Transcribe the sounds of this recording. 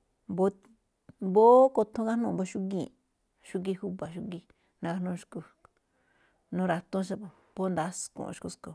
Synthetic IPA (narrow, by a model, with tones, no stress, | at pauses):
bo˧˦ | bo˦ko˧t̪ʰõ˧˦ka˦nũ˧˨bo˦ʃu˦ɡĩ˧˨ | ʃu˦ɡi˧hu˦βa˨ʃu˧ɡi˧ | nã˧ka˧nũ˧ʃku˧ | nũ˦˧ɾa˧t̪ũ˦ʃ̬a˧po˧ | bo˦nd̪a˦skṵ̃˧˨ʔʃku˧sko˧